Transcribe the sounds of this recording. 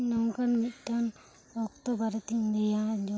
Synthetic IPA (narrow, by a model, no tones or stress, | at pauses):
nɔŋkanmit̪̚ˀʈʰan | ɔkt̪ɔbaɾɛt̪iɲd̪ɛjad͡ʒɔ